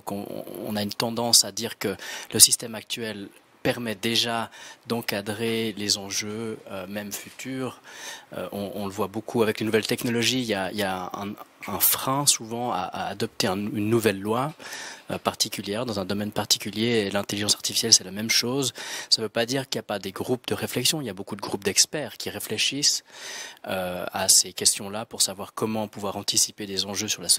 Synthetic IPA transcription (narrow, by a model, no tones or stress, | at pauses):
kɔ̰̃ɔ̰̃naynt̪ɑ̃d̪ɑ̃sad̪iːʁkələsist̪ɛmak̚t̪ɥɛl | pɛʁmɛd̪eʒad̪ɑ̃kad̪ʁelezɑ̃ʒøømɛmfyt̪ʰyːʁø̰ʔɔ̃ɔ̃ləvwabokʰuavɛklenuvɛlt̪ɛknɔlɔʒijaḭljaɛ̰̃ɛ̃fχɛ̃suvɑ̃a̰ʔa̰ːd̪ɔp̚t̪eɛ̃ynːuvɛlːwaøpaʁt̪ikʲyljɛʁd̪ɑ̃zɛ̃d̪ɔmɛnpaʁt̪i̥kʲyljeelɛ̃t̪eliʒɑ̃saʁt̪ifi̥sjɛlsɛlamɛmʃoːzsavøpad̪iːʁkiljapad̪eɡʁup̚d̪əʁeflɛksjɔ̃iljabokud̪əɡʁup̚d̪ɛkspɛːʁkʲiʁefleʃis | øasekʲɛst̪jɔ̃lapuʁsavwaʁkɔmɑ̃puvwaʁɑ̃t̪isiped̪ezɑ̃ʒøsyʁla